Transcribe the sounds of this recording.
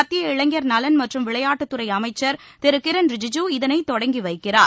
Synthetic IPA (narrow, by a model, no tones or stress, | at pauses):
ɐt̪ːɪjɐɪɭɐŋɡjɐɾnɐlɐnmɐʈrɯmʋɪɭɐjaːʈːɯt̪ːɯɾɐɪɐmɐɪt͡ʃːɐɾ | t̪ɛɾɯkɪɾɐnɾɪd͡ʒɪd͡ʒuɪðɐnɐɪt̪ːɔɽɐŋɡiʋɐɪkːɪraːɾ